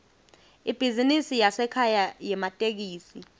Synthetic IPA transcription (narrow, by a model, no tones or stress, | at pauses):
ib̥ʱizinisijasɛkʰajajɛmatʼek̬iːsi